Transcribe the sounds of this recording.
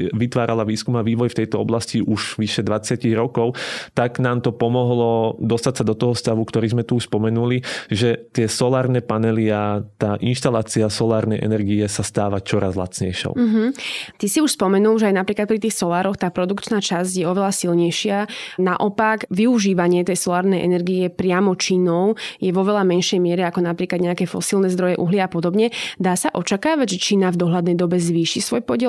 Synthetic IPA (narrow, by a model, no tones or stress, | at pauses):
ʋit̪ʋaːɾalaʋiːskumaʋiːʋɔjft̪ɛjt̪ɔɔ̰blasciʔuʒʋiʃɛd̪ʋat͡sɪaciɣɾɔkɔʊt̪aɡnaːmt̪ɔpɔmɔɦlɔd̪ɔst̪acsad̪ɔt̪ɔɦɔst̪aʋukt̪ɔɾiːzmɛt̪uʃspɔmɛnuliʒɛt̪ɪɛsɔlaːɾnɛpanɛliat̪aːʔinʃt̪alaːt͡siasɔlaːɾnɛjʔɛ̰nɛɾɡiɛsast̪aːʋat͡ʃɔɾazla̰t͡sɲɛ̰jʃɔ̰ʊɦɦm̩t̪isiuʃspɔmɛnuːlˠʒɛajnapɾiːklat̪pɾit̪iːxsɔlaːɾɔxt̪aːpɾɔd̪ukt͡ʃnaːt͡ʃazɟjɛɔʋɛlasilɲɛjʃɪanaʔɔpakʋiuʒiːʋaɲɪɛt̪ɛjsɔlaːɾnɛjʔɛ̰nɛɾɡiɛpɾɪamɔt͡ʃinɔʊjɛʋɔʋɛlamɛnʃɛjmɪɛɾɛakɔnapɾiːklad̪ɲɛakɛfɔ̰silˠnɛzd̪ɾɔjɛʔuɦliapɔd̪ɔbɲɛd̪aːsaʔɔt͡ʃakaːʋaɟʒɛt͡ʃiːnavd̪ɔɦlad̪nɛjd̪ɔbɛzʋiːʃisʋɔjpɔɟɛ